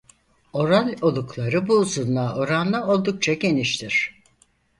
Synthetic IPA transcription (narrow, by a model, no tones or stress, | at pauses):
o̞ɾalʲo̞lˠuklˠaɾɯbuːzunlˠaːʔo̞ɾanlˠɯo̞lˠd̪uk̚t͡ʃʰaɟe̞niʃt̪ʰiɾ̝̥